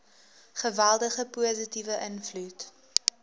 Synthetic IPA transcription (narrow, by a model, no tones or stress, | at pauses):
χəvælˠdəχəpuəzətivəʔənflut